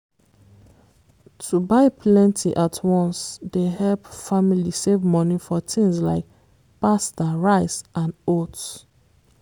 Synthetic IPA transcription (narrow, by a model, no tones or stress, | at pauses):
tʰubaɪpʰlɛ̃ntʰiʔatʰwɔ̃nsdehɛlpfamilisevmɔnifɔtʰĩŋsla̰ɪk̚ | pastaɹaɪsʔãnot